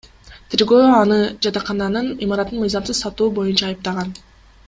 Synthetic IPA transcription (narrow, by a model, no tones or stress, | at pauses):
t̪ʰeɾɡø̞ːɑnɯd͡ʒɑt̪ɑqɑnɑnɯnimɑɾɑt̪ːɯnmɯjzɑmsɯzsɑt̪uːbo̞junt͡ʃɑːjɯp̚t̪ɑʁɑn